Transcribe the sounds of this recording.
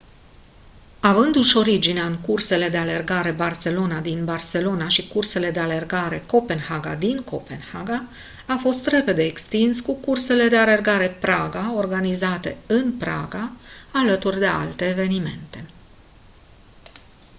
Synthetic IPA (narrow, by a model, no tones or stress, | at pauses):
avɨnd̪uʃo̞ɾid͡ʒineaɨŋkurse̞le̞d̪e̞ale̞rɡaɾe̞barse̞lo̞nad̪inbarse̞lo̞naʃikurse̞le̞d̪e̞ale̞rɡaɾe̞ko̞pe̞nhaɡa̰d̪inko̞pe̞nhaɡa | afo̞st̪re̞pe̞d̪e̞ːkst̪inskukurse̞le̞d̪e̞ale̞rɡaɾe̞pɾaɡao̞rɡanizat̪e̞̰ɨnpɾa̰ɡaalət̪urʲd̪e̞a̰lt̪e̞ːve̞nime̞̰nt̪e̞